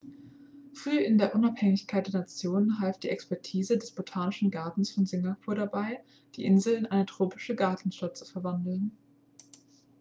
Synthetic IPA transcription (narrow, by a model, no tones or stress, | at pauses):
fʁ̥yːɪndeːɐʔʊnaphɛŋɪçkʰaɪt̚d̥eːɐnat͡sjoːnənɦalft̚d̥iːʔɛkspɛɐtʰiːzədɛsb̥otʰaːnɪʃn̩ɡaɐtn̩sfɔnzɪŋɡapʰuːɐɾabaɪ | d̥iːʔɪnzl̩ɪnʔaɪnətʁ̥oːpɪʃəɡaɐtn̩ʃtat̚t͡su̥fɛɐvandl̩n